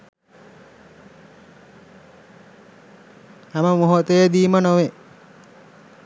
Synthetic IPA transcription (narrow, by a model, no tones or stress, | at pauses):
hæməmoɦot̪əjəd̪iːmənoʋe